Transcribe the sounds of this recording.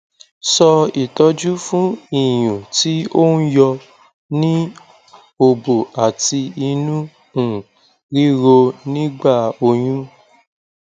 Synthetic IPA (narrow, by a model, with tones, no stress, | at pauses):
sɔ˧i˨tɔ˧d͡ʒu˦fũ˦i˦˨j̃ũ˨ti˦o˦n̩˦jɔ˧ | nĩ˦ | o˧bo˨a˨ti˧i˧nũ˦ | ũ˨ | ɾi˦ɾo˧nĩ˦ɡ͡ba˦˨o˧j̃ũ˦